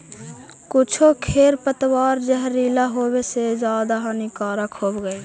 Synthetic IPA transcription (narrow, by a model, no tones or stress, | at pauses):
kʊt͡ʃʰokʰeːɾpət̪waːɾd͡ʒəɦɾiːlaɦoːwesezjaːd̪aɦanikaːɾakʰoːbɡəeː